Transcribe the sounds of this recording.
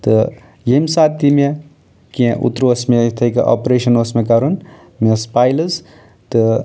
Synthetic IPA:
t̪ɨ | jemsaːt̪ːime | kiẽʔṵt̪ɾoɐsmet̪ʰɐjkɐ̰ʔa̰ːpɾeːʃɐnɐsmekaɾun | mespaːjlɨz | t̪ɨ

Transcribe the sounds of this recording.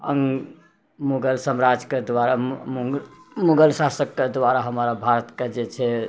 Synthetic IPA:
ə̰ŋɡ | muɡəlsəmɾad͡ʒked̪ʋaɾamumuɡəlsasəkːed̪ʋaɾaɦəmɾabʱaɾət̪ked͡ʒet͡ʃʰɛ

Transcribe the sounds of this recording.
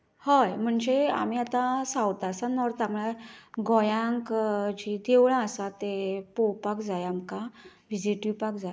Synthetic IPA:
həjm̤əɳd͡ʑea̰miːat̪ãsãwt̪asanɔɾt̪amɭaɡɔjãŋkd͡ʑid̪eʋɭãəsat̪epowpakd͡zajamka | ʋid͡ʑiʈipakd͡za

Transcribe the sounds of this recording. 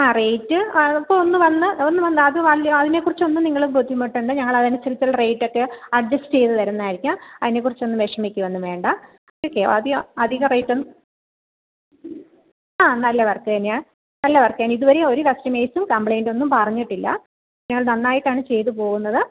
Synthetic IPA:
aːrejtːɨipːoɭonːɨʋɐnːɨonːɨmʋɐnːɨɐðɨʋɐlɐɐðine̞kːurit͡ɕːo̞nːumniŋːɐɭumbod̪ʱijɐmːeʈːuɳɖɨɲɐŋːɐɭɐðinesiɾt͡ɕːɐɭrejʈːo̞kːeɐɖ̚d͡ʑɐsʈɨt͡ɕe̞jt̪ːɨt̪ɐɾunːaːjiɾikʲːuɐðine̞kːurit͡ɕːonːumʋeʂɐmikʲːuʋɐnːuʋe̞ːɳɖɐ | okːeo̰ɐðiɐd̪ʱiɣɐrejʈːonːu | aːnɐlːɐʋɐrkːɨɐnɲaː | nɐlːɐʋɐrkeːniðuʋɐɾeoɾuʋɐstɐmeːsumkɐmpɭejnɖo̞nːumpɐrɐɲːiʈːilːɐ̰ | ɲɐŋːɐɭnɐnːaːjiʈːaːɳɨt͡ɕe̞jt̪̬ɨpo̞ːɣunːɐðɨ

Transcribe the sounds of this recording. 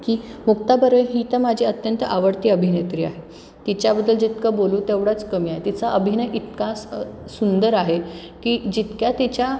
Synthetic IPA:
kiːmuk̚t̪abəɾəjɦiːt̪əmad͡ʑʱiːət̪jənt̪əʔaʋəɽt̪iːəbʱinet̪ɾiːa̰ɦe | t̪it͡ɕjabəd̪ːəld͡ʑit̪kəboluːt̪eʋɽat͡skəmiːaɦet̪it͡saʔəbʱinəjʔit̪kassund̪əɾaɦe | kiːd͡ʑit̪kjat̪it͡ɕja

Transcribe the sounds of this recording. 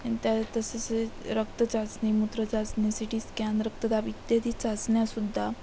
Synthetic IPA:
ant̪jat̪əseseɾəkt̪ət͡sat͡snimut̪ɾət͡sat͡snesiʈiːskand̪ɾək̚t̪əd̪abid̪jad̪iːt͡sat͡sɳjasud̪ʱːa

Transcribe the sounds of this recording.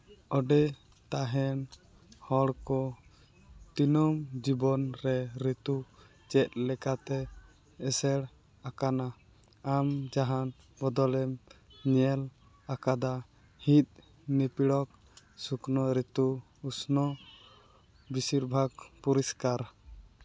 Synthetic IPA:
ɔɖɛ | t̪aɦɛn | hɔɽkɔ | t̪inɔmd͡ʒibɔnɾɛɾit̪u | t͡ʃɛt̪̚lɛkat̪ɛː | sɛɽ | akanaː | md͡ʒaɦan | bɔd̪ɔlɛm | ɲɛl | akad̪a | hit̪̚ˀ | nipiɽɔk̚ | suknɔɾɛt̪u | usnɔ | bisiɾbʱaɡpuɾiskaɾ

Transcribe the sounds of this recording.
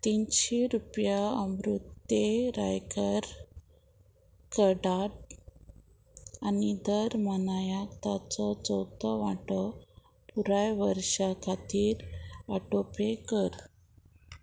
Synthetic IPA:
t̪inɕeɾupjaəmɾut̪ːeɾa̰jkəɾ | kəɽaʈ̚ | anid̪əɾmənajakt̪at͡sɔt͡sɔwt̪ɔʋaʈɔ | puɾajʋəɾɕakʰat̪iːɾaʈopekəɾ

